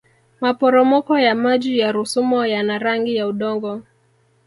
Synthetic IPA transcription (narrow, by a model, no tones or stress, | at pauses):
mapɔɾɔmɔkɔjamad͡ʒijaɾusumɔjanaɾaŋɡijauɗɔŋɡɔ